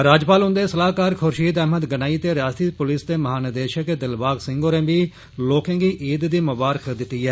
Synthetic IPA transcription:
ɾaːd͡ʒpaːlɦʊ̃nd̪eːsəlaːkaːɾkʰʊɾʃiːd̪ɛɦməd̪ɡənaːiːt̪eːɾjaːst̪iːpʊlɪsd̪eːməɦaːnəd̪eːʃəkd̪ɪlbaːɡsɪ̃ŋɡoːɾɛ̃ːbiː | loːkẽːɡiːʔiːd̪d̪iːmʊbaːɾəkʰd̪ɪt̪ːiːɦɛː

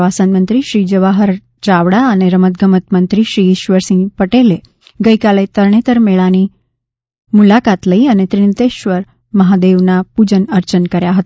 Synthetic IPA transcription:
asanmənt̪ɾiɕɾiːd͡ʑəʋaɦəɾ | t͡ɕaʋɽaːneɾəmət̪ɡʱəmət̪mənt̪ɾiɕɾiːɕʋəɾsĩŋɡpəʈele | ɡəjkalet̪əɾɳet̪əɾmeɭañi | mulakat̪ləianet̪ɾint̪eɕʋəɾ | məɦad̪eʋnapud͡ʑənəɾt͡ɕənkəɾjaɦət̪

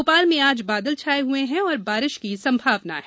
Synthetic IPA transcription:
opaːlmẽaːd͡ʒbaːd̪əlt͡ʃʰaːeɦueɦɛ̃ɔːɾbaːɾɪʃkisɐ̃mbʱaːʋna̰ɦɛ

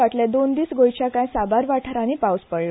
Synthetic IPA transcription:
aʈled̪ond̪iːsɡojt͡ɕjakãjsabaɾʋaʈʰəɾãnipawspəɭː

